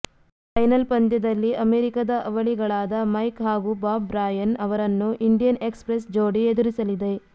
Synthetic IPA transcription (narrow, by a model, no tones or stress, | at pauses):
pɐjnɐlpɐnd̪jɐd̪ɐlːiʔɐmeːɾikɐd̪ɐʔɐʋɐɭiɡɐɭaːd̪ɐmɐjkɦaːɡubaːbɾaːjɐnɐʋɐɾɐnːuʔiɳɖijɐnekspɾes̬d͡ʒoːɽied̪uɾisɐlid̪e̞